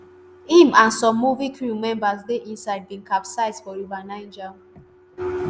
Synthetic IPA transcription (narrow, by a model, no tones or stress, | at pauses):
ĩmãnsɔ̃mːuvikɹumɛ̃mbasdeʔĩnsaɪd̚bĩŋkapsaɪzfɔɹuvanãɪ̃nd͡ʒa